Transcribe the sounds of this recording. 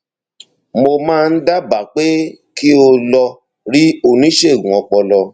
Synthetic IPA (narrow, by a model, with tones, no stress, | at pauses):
mo˧mãː˦˧n̩˦da˦ba˨˦k͡pe˦ | ki˦o˧lɔ˧ | ɾi˦o˧˨nĩ˨˦ʃe˦˨ɡũ˨ɔ˧k͡pɔ˧lɔ˧